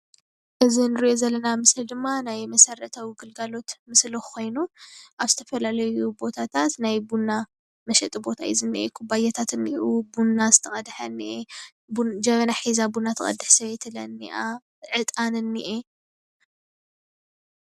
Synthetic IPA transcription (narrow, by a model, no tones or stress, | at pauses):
ʔɨzinɨɾiʔo̞zɐlːɐnamɨsld̪ɨmːanajmɐsɐɾɐt̪ʰawiɡɨlɡalo̞t̪mɨslokʰo̞jnuʔaβzɨt̪ʰɐ̥fɐlalɐjubo̞t̪ʰat̪ʰat̪najbunːa | mɐʃɛt̪ʼibo̞t̪ʰaḭzɨnːiʔḛkʰubajɐt̪ʰat̪ɨniʔubunazɨ̥t̪ʰɐχʼɐd̪ħɐniʔe | bd͡ʒɐβɐnaħizabunat̪ʰɨ̰ɐ̰d̪ɨħsɐβet̪ʰɨlɐnːiʔa | ʕɨt̪ʼanɨnːiʔe